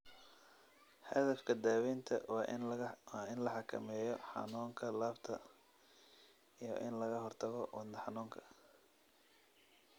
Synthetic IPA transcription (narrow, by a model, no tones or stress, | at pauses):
hɐðɐfkʰɐd̪aːwint̪ʰɐ̰ | wɑːɪnlɐħɑkʰɐ̰mɛːjɔħɑ̰nuːŋkʰɐlaːbt̪ʰɐ | ijɞ̰ʔɪnlɐɣɐɦɔrt̪ʰɐɣɔwɑnd̪ɐħɑnuːŋkʰɐ̥